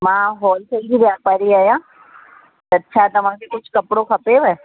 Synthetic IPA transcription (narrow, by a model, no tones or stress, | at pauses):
mãɦɔːlkʰəiɡiʋjapaːɾiaːjã | ətːʃʰat̪əmãkʰekʊt͡ʃʰkəpɽokʰəpeʋe